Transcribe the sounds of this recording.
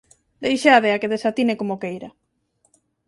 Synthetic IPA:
d̪ejʃaðeakeðesat̪inekomokejɾɐ

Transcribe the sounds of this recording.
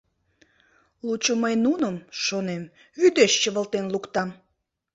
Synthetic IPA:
lut͡ɕoməjnunəmʃonem | yd̪eʃt͡ɕəβəlt̪enlukt̪ɑm

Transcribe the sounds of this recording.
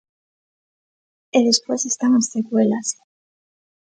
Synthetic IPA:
eðespwesest̪aŋasːekwelas

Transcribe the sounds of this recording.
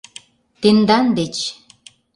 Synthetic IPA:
t̪end̪ɑnd̪et͡ɕ

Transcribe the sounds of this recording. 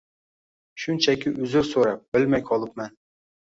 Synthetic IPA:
ʃʊnt͡ʃʰakʲɪʔɵzɪɾsoɾap̚b̥ɪlmajqʰɒlˠɨp̚man

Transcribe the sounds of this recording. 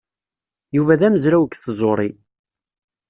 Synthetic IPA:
juvæðæməzɾæwəkθzˤoɾˤi

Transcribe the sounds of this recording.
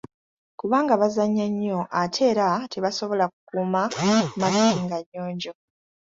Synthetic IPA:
kuβaːŋɡaβazaɲːaɲːo̞ʔatʰe̞ːɾateβaso̞βo̞lakukuːmamaliiːŋɡaɲːo̞ːɲɟo̞

